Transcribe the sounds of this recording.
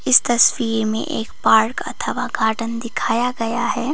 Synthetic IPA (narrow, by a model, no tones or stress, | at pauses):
ɪst̪ɐsfiːɾmḛ̃ʔḛːkpaːɾkɐ̰t̪ʰəʋaɡʱaːʈənd̪ɪkʰaːjaɡɐjaɦɛː